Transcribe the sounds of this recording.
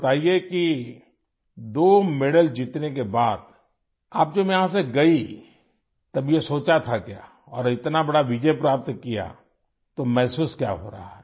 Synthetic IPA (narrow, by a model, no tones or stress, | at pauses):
t̪aːijeki | d̪oːmeɽəld͡ʒit̪nekebaːd̪ | aːp̚d͡ʒoːbjɐɦãs̬eɡɐi | t̪ɐbjesoːt͡ʃat̪ʰakja̰ː | ɔːɾɪt̪nabɐɽaʋɪd͡ʒəjpɾaːp̚t̪kija̰ | t̪omɛːsuːskja̰ːɦo̰ːɾa̰ɦa̰ɦɛː